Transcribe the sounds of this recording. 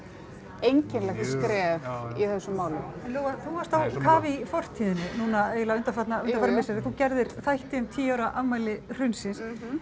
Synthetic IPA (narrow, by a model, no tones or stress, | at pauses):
ejɲcɪnlɛxt̪skɾɛːviθɛsːʏmːaːwlʏɛnloːwaθuhaɾst̪θawkaːvɪifɔr̥t̪ʰiːðɪnɪnunaeːɣlaʏnt̪afat̪naʏnafat̪amɪsɛðɪθucɛɾðɪɾθajht̪ɪʏmt̪ʰiːjawɾaʔamajlɪr̥ʏnsɪns